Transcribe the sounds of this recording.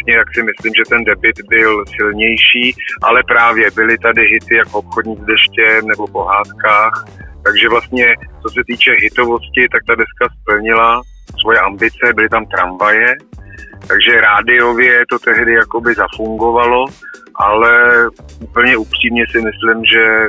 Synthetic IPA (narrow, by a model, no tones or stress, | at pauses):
ɲɛt̪aksɪmɪslimʒɛt̪ɛndɛbɪt̪bɪlsɪlɲɛjʃiːʔa̰lɛpɾaːvjɛbɪlɪt̪adɪɦɪt̪ɪjakoopxodɲiːzdɛʃcɛmnɛbo̞po̞ɦaːt̪kaːxt̪aɡʒɛvlast̪̚ɲɛt͡so̞sɛt̪iːt͡ʃɛɦɪt̪o̞vo̞scɪt̪ak̚t̪adɛskaspl̩ɲɪla | svojɛʔambɪt͡sɛbɪlɪt̪amt̪ɾa̰ɱvajɛ | t̪aɡʒɛɾaːdɪo̞vjɛt̪o̞t̪ɛɦdɪjako̞bɪzafuŋɡo̞valo̞ʔalɛʔupl̩ɲɛupr̝̥iːmɲɛsɪmɪslɪmʒɛ